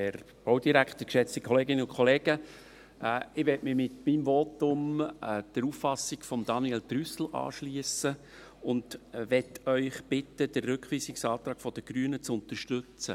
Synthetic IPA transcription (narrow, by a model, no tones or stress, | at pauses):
ɛɾ | b̥owdiɾækt̪əkʃɛt͡stikʰχɔleːɡɪnəʊnkʰɔleːɡ̥ə | ɪʋɛtmɪmɪtmimvotʊmd̥əɾuːffɑsɪɡ̥fɔmd̥̪ɑniɛltɾysl̩ʔɑ̰ːʃliəsə | ʊndʋɛtʰœʏχb̥ɪtəd̥ərːʉkχʋiːsɪksɑːt̪ɾɑːkfɔd̥əɡ̥ɾyːənət͡sʊnt̪əʃtøt͡sə